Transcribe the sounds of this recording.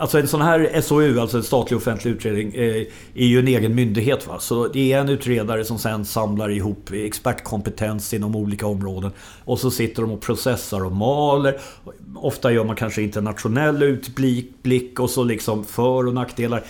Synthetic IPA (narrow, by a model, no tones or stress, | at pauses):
alsɔɛnsɔnɦæːɾɛsɔʉ̟ːalt̪sɔɛnst̪ɑːt̪lɪɡɔfɛnt̪ʰlɪʉt̪ɾeːd̪nɪŋ | æɾjɵɛneːɡənmʏnd̪ɪɡɦeːt̪va̰sɔd̪ɛæɛnʉ̟ːt̪ɾeːd̪aɾəsɔmsɛnsamlaɾɪɦuːpːɛkspæʈːkʰɔmpɛt̪ʰɛnsɪd̪ɔmuːliːkaɔmːɾoːd̪ən | ɔsɔsɪt̪ːəɖɔmɔpʰɾʊsɛsːaɾɔmɑːləɾɔft̪ajœːmankʰanʂəɪnt̪əɛnːat̪ɧʊnɛlːʉ̟ːt̪blikblɪkːɔsɔlɪksɔmfœːɾɔnakt̪d̪eːlaɾə